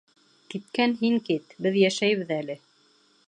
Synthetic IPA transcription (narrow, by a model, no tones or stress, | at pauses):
kit̪̚kænɦiŋkit̪bɘðjæʃæjβɘðælɘ